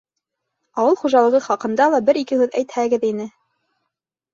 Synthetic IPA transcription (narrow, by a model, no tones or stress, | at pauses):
ɑwɤlˠχuʒɑlˠɤ̆ʁɤχɑqɤ̆nd̪ɑlˠɑbɘɾikɘhʉðæjt̪hæɡɘðinɘ